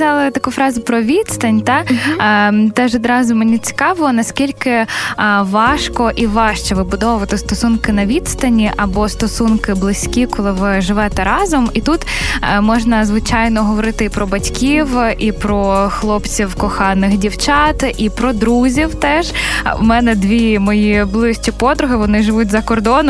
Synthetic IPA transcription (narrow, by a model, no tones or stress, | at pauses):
zʲalˠɪt̪ɐkufɾɑzʲʊpɾɔʋʲit̪st̪ɐnʲt̪ɑ | t̪ɛʒɔd̪ɾɑzʊmenʲit͡sʲi̥kɑʋɪɔnɐskʲilʲkɪ | ʋɑʃkɔʔiʋɑʃt͡ʃɛʋɪbʊd̪ɔʋʊʋɐt̪ɪst̪ɔsunkɪnɐʋʲit̪st̪ɐnʲiʔɐbɔst̪ɔsunkɪblˠɪsʲkʲikɔlˠɪʋɪʒɪʋɛt̪ɛɾɑzɔmit̪ut̪mɔʒnɐzʋɪt͡ʃɑjnɔɦɔʋɔɾɪt̪ɪipɾɔbɐtʲkʲiwʔipɾɔxlˠɔpt͡sʲiwkɔxɑnːɪxdʲiwt͡ʃɑt̪ʔipɾɔd̪ɾuzʲiwt̪ɛʒumɛnɛd̪ʋʲimɔjiblˠɪʃt͡ʃipɔd̪ɾʊɦɪʋɔnɪʒɪʋutʲzɐkɔrd̪ɔnɔ